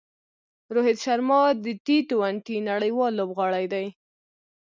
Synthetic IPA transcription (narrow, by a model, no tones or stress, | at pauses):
ɾohed̪ʃaɾmɑd̪əʈit̪owaɳʈinaɽəjwɑlːobɣɑɽajd̪aj